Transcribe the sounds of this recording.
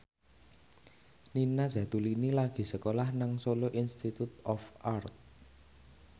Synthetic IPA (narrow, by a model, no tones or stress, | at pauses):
ninaz̥ä̤t̪ulinilaɡ̥i̤səkolahnaŋsoloʔinst̪it̪ut̪ɔfart̪̚